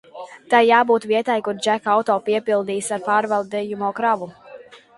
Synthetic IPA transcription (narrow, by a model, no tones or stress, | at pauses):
t̪ajːaːbuːt̪viɛt̪ajkuɾd͡ʒækawt̪ɔːpiɛpilˠd̪iːsaɾpaːɾvalˠd̪ɛjumoːkɾavu